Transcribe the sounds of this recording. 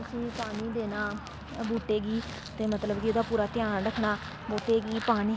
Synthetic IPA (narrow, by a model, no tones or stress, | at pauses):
ʊsĩːpaːniːd̪eːnaː | bʱuːʈeːɡiː | t̪eːmət̪ləbd͡ʒiːoːd̪aːpuːɾaːt̪ɪjaːnɾəkʰnaː | boːt̪eːɡiːpaːniː